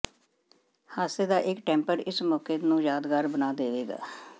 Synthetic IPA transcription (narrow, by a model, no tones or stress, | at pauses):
haːst̪eːd̪aːʔɪkʈɛ̃ːmpəɾɪsmɔːkeːnũːjaːd̪ɡaːɾbənaːd̪eːʋeːɡa̰ː